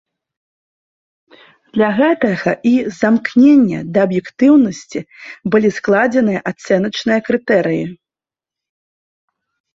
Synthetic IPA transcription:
d̪̥lʲɐɣɛt̪ɐɣɐ̰ʔizamknʲenʲːɐ̰d̪ɐːbjɛkt̪ɨwnɐsʲt͡sʲibɨlʲisklˠad͡zʲɛnɨjɐʔat̪sɛnɐt͡ʂnɨjɐkɾɨt̪ɛɾɨji

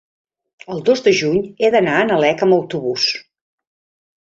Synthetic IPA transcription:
əlˠd̪ozd̪əʒuɲeðənaənəlɛkəməwt̪uβus

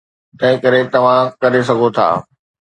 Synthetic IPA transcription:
t̪ɐ̃ɦɪ̃kɐɾet̪ɐʋ̤ãkɐɾes̬ɐɡʱot̪ʰa̰ː

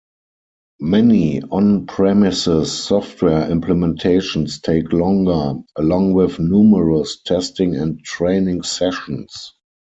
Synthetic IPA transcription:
mɛniɔ̃npʰɹɛmɪsɪsːɔftʰwɛɐɪ̃mplɛmɛ̃ntʰeɪʃɔ̃nstʰeɪklɔ̃ŋɡə˞ʔəlɔ̃ŋwɪθnjuːməɹəstʰɛstɪ̃ŋɛ̃ntɹeɪnɪ̃ŋsɛʃə̃ns

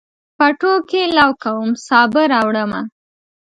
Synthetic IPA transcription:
paʈokelɑwkawəmsɑbəɾawɽəma

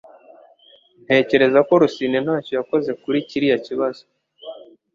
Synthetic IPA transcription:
n̥he̞ːce̞ɾe̞zako̞ɾusine̞n̥haːco̞jako̞ze̞kuɾiciɾijaciβazo

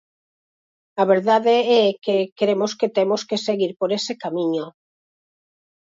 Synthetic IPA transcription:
aβ̞eɾðaðeɛkekeɾemosket̪emoskeseɣiɾpoɾesekamĩɲo

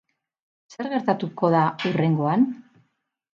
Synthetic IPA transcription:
se̞ɾɣe̞ɾt̪at̪uko̞ðaure̞ŋɡo̞an

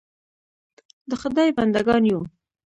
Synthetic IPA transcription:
d̪əxʊd̪ɑjband̪aɡɑnjo

